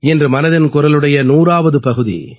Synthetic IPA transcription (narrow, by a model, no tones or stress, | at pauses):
ɛndrɯmɐnɐðɪnkʊɾɐlɯɽɐjɐnuːraːʋɐðɯpɐɣɯðḭ